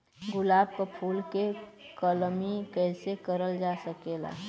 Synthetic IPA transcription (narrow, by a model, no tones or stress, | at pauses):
ɡʊlaːb̚kapʰuːlkekəlmikɛːsekəɾəld͡ʒaːsəkeːla̰ː